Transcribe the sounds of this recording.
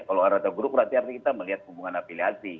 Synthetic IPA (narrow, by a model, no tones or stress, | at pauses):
kaloaɾat̪aɡuɾuk̚bəɾat̪iart̪ikit̪aməliɦat̪̚hubuŋanapiliasi